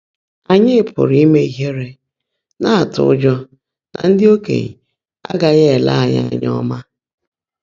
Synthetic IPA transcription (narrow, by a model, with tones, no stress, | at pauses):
a˨ɲɪ˦ɪ˦pʰʊ̰˨ɾi˦me˦i˦ɦe˦ɾe˦ | na˦a˨tʊ̰˦ʊ˦d͡ʒɔ˦ | na̰˨n̩˦dɪ˦o˦kḛ˨ɲ̩˨ | a̰˦ɡa˨ɣe˦e˨la̰˦a˨ɲa̰˦a˨ɲ˦ɔ˦ma˦